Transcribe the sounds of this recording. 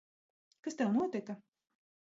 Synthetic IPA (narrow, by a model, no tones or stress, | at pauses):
kast̪ɛwnuɔt̪ʲikɐ